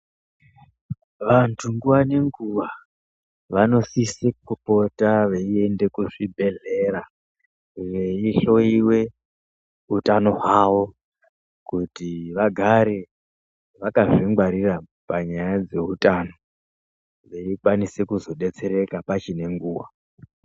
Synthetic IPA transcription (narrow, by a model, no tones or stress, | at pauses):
ʋantʰuŋɡuwane̞ŋɡuwa | ʋano̞sisekupo̞taʋe̞ie̞nde̞kuʐibʱe̞ɮe̞ɾa | ʋe̞iɬo̞iwe̞ | utano̞ɦwaʋo̞ | kutiʋaɡʱaɾe | ʋakaʐiŋɡwaɾira | paɲajad͡ze̞utʼano̞ | ʋe̞ikwanise̞kuzo̞ɗe̞t͡se̞ɾe̞kapat͡ʃine̞ŋɡuːwa